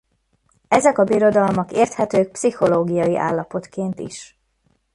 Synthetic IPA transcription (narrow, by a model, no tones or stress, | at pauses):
ɛzɛkɒbiɾo̞d̪ɒlmɒkeːrt̪hɛt̪øːk̚psiho̞loːɡijɒjiʔa̰ːlːɒpo̞t̪keːnt̪ḭʃ